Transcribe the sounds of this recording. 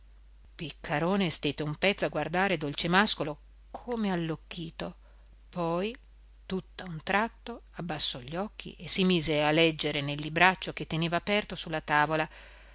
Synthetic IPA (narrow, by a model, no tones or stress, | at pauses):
pikʰːaɾoːnest̪et̪ːeumpɛt̪sːoaɡward̪aːɾed̪olt͡ʃemaskolo | kʰoːmealːokːiːt̪o | pɔj | t̪ut̪ːaunt̪ɾat̪ːoabːasːɔʎːɔkːḭʔesːimiːzealːɛd͡ʒːeɾenelːibɾat͡ʃːok̟et̪ːeneːvaːpɛrt̪osulːat̪aːvola